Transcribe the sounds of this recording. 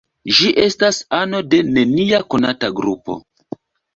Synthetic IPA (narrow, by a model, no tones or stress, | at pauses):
ʒiʔe̞stasano̞de̞ne̞niako̞nataɡɾupo̰